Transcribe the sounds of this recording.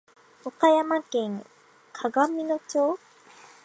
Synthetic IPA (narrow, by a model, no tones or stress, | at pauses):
okajamankeŋ | kʰaɡamːinot͡ɕo